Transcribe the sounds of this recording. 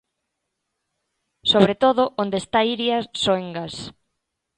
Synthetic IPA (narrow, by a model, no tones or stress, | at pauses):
soβɾet̪oð̞oʔond̪eːst̪aiɾjasoeŋɡas